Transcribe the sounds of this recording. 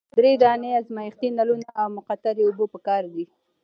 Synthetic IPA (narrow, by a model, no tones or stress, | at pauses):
d̪ɾed̪ɑneazmajɪxt̪inalunaʔawmʊqat̪aɾeʊbopəkɑɾd̪i